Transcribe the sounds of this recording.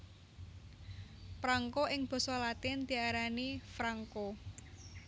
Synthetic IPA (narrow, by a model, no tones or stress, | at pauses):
pɾaŋkoʔɪŋb̥ɔ̤sɔlat̪ɪnd̪̥i̤aɾanifɾaŋko